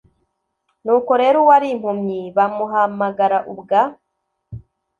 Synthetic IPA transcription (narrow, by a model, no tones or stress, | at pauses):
nuːkoɾe̞ːɾowaɾim̥humɲiβamuɦamaɡaɾaʔubɡa